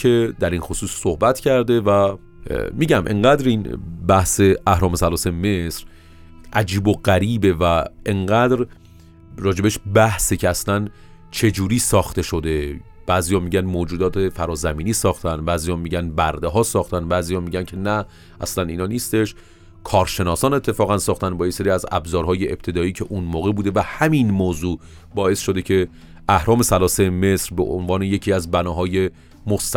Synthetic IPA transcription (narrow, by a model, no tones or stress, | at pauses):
e̞d̪æɾinxo̞suːsːohbæt̪ʰcʰæɾd̪e̞væ | miːɟæmʔḛŋɢæːd̪ɾiːnbæhse̞ʔæhɾɒːmesælɒːseme̞sɾ | ʔæd͡ʒiːboɢæɾiːbe̞væʔeŋɢæd̪ɾ | ɾɒːd͡ʒe̞beʃbæhsicʰeæslæn | t͡ʃʰe̞d͡ʒuːɾiːsɒːxt̪e̞ʃo̞d̪e̞b̥æːziːjɒːmiːɟænmoːd͡ʒuːd̪ɒːt̪ʰefæɾɒːzæmiːniːsɒːxt̪ʰænd̪bæːzijɒːmiːɟænbæɾd̪eɦɒːsɒːxt̪ʰænbæːziːjɒːmiːɟæncʰe̞næ | ʔæslæniːnɒːniːst̪e̞ʃ | kʰɒːɾʃe̞nɒːsɒːne̞t̪ʰːe̞fɒːɣænsɒːxt̪ænbɒːjeseɾiːæzæ̰bzɒːɾɦɒːje̞ʔeb̥̚t̪ʰe̞d̪ɒːiːcʰe̞ʔunmoːɣe̞buːd̪e̞væhæminmoːzuː | bɒːe̞sʃo̞d̪ecʰe̞ | ʔæhɾɒːme̞sælɒːsejme̞sɾbḛʔonvɒːneje̞cʰiːæzbænɒːɦɒːje̞ | most̪